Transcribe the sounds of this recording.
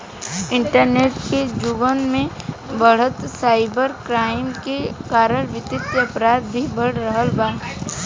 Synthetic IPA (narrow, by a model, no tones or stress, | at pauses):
ɪ̃ɳʈəɾneːʈked͡ʒʊɡənmẽ | bəɽ̤ət̪saːɪbəɾkɾaːɪmkekaːɾəɽʋɪt̪ɪt̪jəɐpɾaːd̪̚bʱibəɽ̤ɾəɦəlbaː